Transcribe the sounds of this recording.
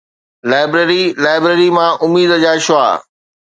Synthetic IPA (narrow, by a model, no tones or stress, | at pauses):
laːɪbɾeɾilaːɪbɾeːɾimãʔʊmiːd̪d͡ʑaːʃʊa̰ː